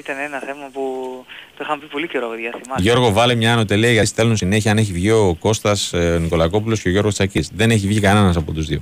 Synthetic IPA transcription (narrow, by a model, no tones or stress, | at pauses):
it̪ɐneenɐθe̞mɐput̪oixɐmpipo̞lice̞ɾoɐɣoðʝiɐθimɐʝo̞ɾɣo̞vɐlemɲɐːno̞t̪eliɐʝɐsθe̞lunsine̞çiɐne̞çivʝio̞ko̞st̪ɐsoniko̞lɐko̞p̬ulosceo̞ʝo̞ɾɣo̞st͡sɐcisðe̞ne̞çivʝikɐne̞nɐs̬ɐpo̞t̪uzðio